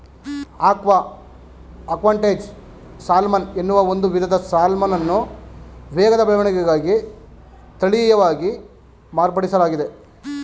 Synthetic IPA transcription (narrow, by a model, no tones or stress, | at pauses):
aːkʋɐ | ɐkʋaːɳʈeːd͡ʒ | saːlmɐne̞nːuʋɐo̞nd̪uʋid̪ʱɐd̪ɐsaːlmɐnɐnːu | ʋɛːɡɐd̪ɐbɐlʋɐɳɛɡɛɡaːɡi | t̪ɐɭijɐʋaːɡi | maːɾpɐɽisɐlaːɡid̪e̞